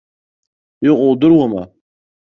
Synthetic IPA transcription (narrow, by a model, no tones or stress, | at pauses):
iqʼʊwd̪ɨrwama